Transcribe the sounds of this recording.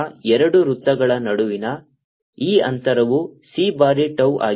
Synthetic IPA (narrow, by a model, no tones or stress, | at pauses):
ɛɾɐɽuɾut̪ːɐɡɐɭɐnɐɽuʋinɐ | iːɐ̰nt̪ɐɾɐʋusibaːɾiʈɐwʔa̰ː